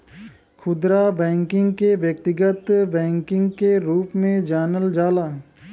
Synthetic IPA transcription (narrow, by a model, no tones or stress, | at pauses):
kʰʊd̪ɾabɛ̃ːŋkɪ̃ŋɡkeʋjək̚t̪ɪɡət̪bɛ̃ːŋkɪ̃ŋɡkeɾuːpmẽd͡ʒaːnəld͡ʒaːlaː